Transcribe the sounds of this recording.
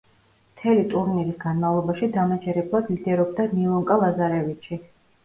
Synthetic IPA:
mt̪ʰɛlit̪ʼuɾniɾisɡanmavlˠɔbaʃid̪amat͡ʃʰɛɾɛblˠad̪lid̪ɛɾɔb̚d̪aniɔŋkʼalˠazaɾɛvit͡ʃʰi

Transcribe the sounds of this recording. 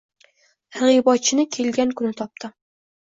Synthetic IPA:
hɨʁibɒt͡ʃʰːɪnɪkʲʰe̞lɡʲankʰʊnɪt̪ʰɒp̚t̪ʰɪ

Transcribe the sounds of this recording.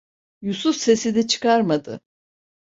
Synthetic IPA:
jusufse̞sid̪ɛt͡ʃʰɯ̥kaɾmad̪ɯ̰

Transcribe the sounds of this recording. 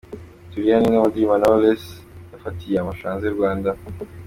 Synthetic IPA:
t̪uɾjanenamad̪imanoles | nafat̪ʰiamaʃãːnzeɾɡaːnd̪a

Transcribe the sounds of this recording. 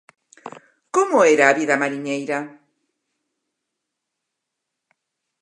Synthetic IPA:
komoeɾaːβiðamaɾiɲejɾa

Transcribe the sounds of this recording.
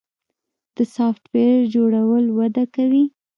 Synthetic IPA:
d̪̥əsɑfʈweɾd͡ʒoɽawəlwad̪akawi

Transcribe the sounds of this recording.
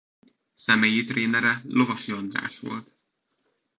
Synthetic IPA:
sɛmejit̪reːnɛɾɛlo̞vɒʃiɒnd̪ra̰ːʃʋo̞̰lt̪

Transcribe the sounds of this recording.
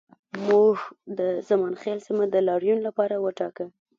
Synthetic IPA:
muhd̪əzamɑnxelsimad̪əlɑɽjunlapɑɾawəʈɑkə

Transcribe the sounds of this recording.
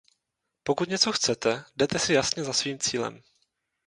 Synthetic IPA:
po̞kut̪ɲɛt͡so̞xt͡sɛt̪ɛdɛt̪ɛsɪjasɲɛzasviːmt͡siːlɛ̰m

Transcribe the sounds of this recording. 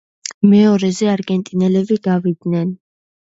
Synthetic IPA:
mɛɔɾɛzɛaɾɡɛnt̪ʼinɛlɛbiɡavid̪nɛn

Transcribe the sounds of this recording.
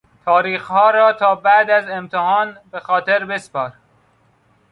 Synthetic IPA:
t̪ʰɒːɾiːxhɒːɾɒːt̪ʰɒːbæd̪æzemt̪ʰehɒːnbexɒːt̪ʰeɾbe̞spɒːɾ

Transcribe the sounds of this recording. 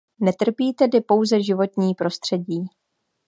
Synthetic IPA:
nɛt̪r̩piːt̪ɛdɪpo̞wzɛʒɪvo̞t̪ɲiːpɾo̞st̪r̝̥ɛɟiː

